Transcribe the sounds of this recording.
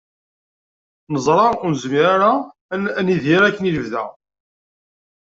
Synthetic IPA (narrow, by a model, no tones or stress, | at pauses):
nəzˤɾˤɑʊɾnəzmiɾaɾa | niðiɾækːəniləvðæ̰